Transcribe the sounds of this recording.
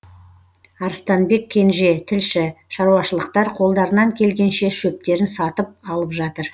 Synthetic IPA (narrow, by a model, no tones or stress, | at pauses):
ɑɾst̪ɑnbe̞kʲʰːe̞nʒe̞t̪ʰɪlʃɪʃɑɾuɑʃəlˠəqt̪ɑɾqʰo̞lˠd̪ɑɾənɑŋkʲʰe̞lɡʲe̞nʃe̞ʃɵp̚t̪e̞ɾɪnsɑt̪əp̚ɑlˠəpʒɑt̪əɾ